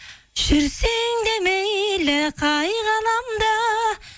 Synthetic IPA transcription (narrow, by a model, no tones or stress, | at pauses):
ʒ̥ʏɾseŋd̪emejlɪqʰɑjʁɑnɑmd̪ɑ